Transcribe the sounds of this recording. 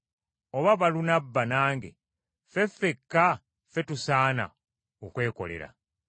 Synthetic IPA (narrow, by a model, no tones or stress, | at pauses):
oβaβalunabːanaːŋɡḛ | fe̞fːekːa | fe̞tusaːna̰ | okwe̞ːko̞̰le̞̰ɾa̰